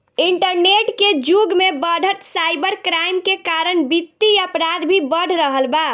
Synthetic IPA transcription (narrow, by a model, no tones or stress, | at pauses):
iɳʈəɾneʈked͡ʒuɡmebəɖ̤ʱət̪sajbəɾkɾajmkekaɾənbit̪ːiəpɾad̪bʱibəɽ̤ʱɾəɦəlba